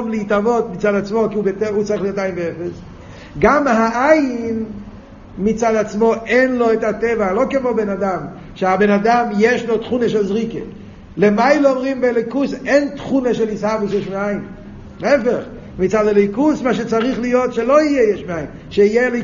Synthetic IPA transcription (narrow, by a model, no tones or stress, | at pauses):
mlɪitavotmit͡sadat͡smokiubetɛut͡saʁiχlijotajnbeɛfes | ɡamhaʔajn | mit͡saːdat͡smoʔɛnloɛtatɛvalokɪmobɛnadam | ʃeabenadamjɛʃlotχuneʃɛlzʁike | lemajleɔmʁimbeɛlokusɛntχuneʃɛlishavisjɛʃmeaɪn | ɛfeχ | mit͡sadɛlokusmaʃet͡saʁiχlijotʃeloijɛjɛʃmeaɪn | ʃeijɛle